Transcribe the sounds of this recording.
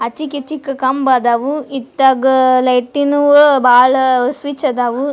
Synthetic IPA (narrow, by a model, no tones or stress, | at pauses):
ɐt͡ʃikit͡ʃikːɐkɐmbad̪aʋuit̪ːɐɡlɐjʈːinubʱaːɭɐsʋit͡ʃɐd̪aʋu